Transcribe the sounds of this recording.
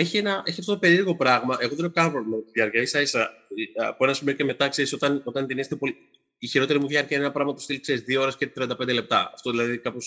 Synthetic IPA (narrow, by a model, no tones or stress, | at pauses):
e̞çie̞nɐe̞çiɐft̪ot̪ɐpe̞ɾiɾɣo̞pɾɐɣmɐʔe̞ɣoðeneokɐnpɾo̞lliemɐt̪iðʝɐɾcɐisɐisɐ | poenɐsimeoce̞me̞t̪ɐkse̞ɾiso̞t̪ɐno̞t̪ɐnt̪inist̪epol | içiɾo̞t̪eɾimuvʝɐɾcɐine̞nɐpɾɐɣmɐt̪ost̪ilkse̞ɾizðioo̞ɾescet̪ɾiɐnd̪ɐpend̪ele̞p̚t̪ɐɐ̰ft̪oðilɐðikɐpo̞s